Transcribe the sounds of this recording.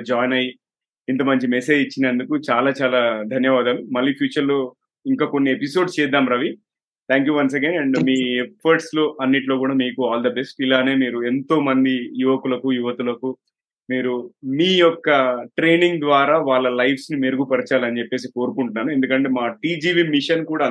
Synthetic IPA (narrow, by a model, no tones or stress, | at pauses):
d͡ʒaːjnɐj | int̪ɐmɐɲt͡ʃimese̞ːd͡ʒit͡ʃːinɐnd̪ukut͡ʃaːlaːt͡ʃaːlaːd̪ʱɐnjɐʋaːd̪aːlumɐlːiːpʰjuːt͡ʃɐɾlo̞ː | iŋkaːko̞nːiepiso̞ːɖt͡ʃɛːd̪ːaːmɾɐʋi | t̪ʰaːŋkjuːʋɐns̬ekenɖɛɳɖmiːepʰɐɾʈslo̞ːʔɐnːiʈlo̞ːkuːɽaːmiːkuaːld̪ɐbesʈilaːne̞ːmiːɾue̞nt̪o̞ːmɐnd̪ijuʋɐkulɐkujuʋɐt̪ulɐku | miːɾumiːjɔkːɐʈɾe̞ːniŋɡd̪ʋaːɾaːʋaːɭːɐlɐjʋsnimeɾuɡupɐɾit͡ʃaːlɐnit͡ʃepːe̞ːs̬iko̞ːɾukuɳʈunːaːɾue̞nd̪ukɐɳʈe̞ːmaːʈiːd͡ʒiːʋimiʂɐnkuːɽaː